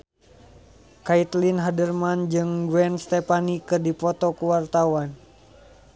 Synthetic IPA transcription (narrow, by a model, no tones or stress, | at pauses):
kait̪linɦadərmand͡ʒɨŋɡwɛnst̪ɛpanikɨrdipɔt̪ɔkuwart̪awan